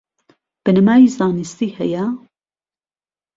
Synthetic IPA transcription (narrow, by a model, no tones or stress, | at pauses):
b̥ɨnɐmaːjiːzaːnɨst̪iːhɛ̰jɐ